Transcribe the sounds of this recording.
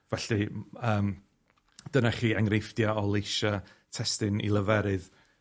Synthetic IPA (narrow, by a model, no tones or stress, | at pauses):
vɛɬiəːm | d̥ənaχiːaŋrejfd̥jaɔlˠejʃatʰɛstɨnḭlˠəvɛɾɨð